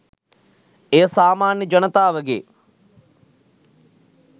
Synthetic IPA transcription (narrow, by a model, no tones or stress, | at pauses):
eːsaːmaːnjəd͡ʒɐnət̪aːʋəɡḛː